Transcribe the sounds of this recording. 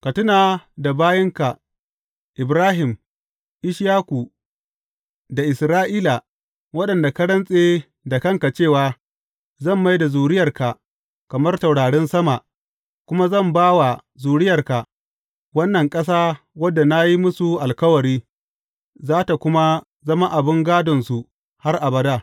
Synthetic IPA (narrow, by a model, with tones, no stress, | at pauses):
kɐ˨tʊ˦naː˨da˨baː˦jɐ˦ŋka˨ | ʔɪ˨bɾaː˦ɦɪ˨m | ʔɪ˦ʃjaː˦kʷu˨ | da˨ʔɪ˨sɾaː˦ʔiː˦la˨ | wɐ˦ɗɐ˨nda˨kɐ˦ɾɐ˦nsʼeː˦ | da˨kɐ˦ŋka˨t͡ʃeː˦˨waː˨ | zɐ˦˨mːa˦jda˨zuː˨ɽɪ˦jɐ˨rka˨ | kɐ˨mɐ˦rsa˨wɽaː˨ɽɛ˦nsɐ˦ma˨ʔ | kʷʊ˦ma˦zɐ˦˨mbaː˦wa˨ | zuː˨ɽɪ˦jɐ˨rka˨ʔ | wɐ˦nːɐ˨ŋkʼɐ˦s̬aː˦ | wɐ˦dːa˨na˦ji˦mʊ˦su˨ʔa˨lkɐ˦wɐ˨ɾiː˦ | zaː˦ta˨kʷʊ˦ma˦ | zɐ˦ma˦ʔa˨bɪ˦ŋɡaː˦dɔ˨nsu˨ | ha˦rʔa˨bɐ˦da˦